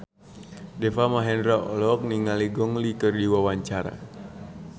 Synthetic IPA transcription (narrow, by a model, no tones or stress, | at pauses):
dɛfamaɦɛndɾaɔ̰lɔk̚niŋaliɡɔŋlikərdiwawaɲt͡ʃaɾa̰